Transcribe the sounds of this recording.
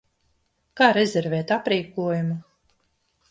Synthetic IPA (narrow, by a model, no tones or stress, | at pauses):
kaːɾɛzʲɛɾvɛːt̪apɾiːkuɔjumu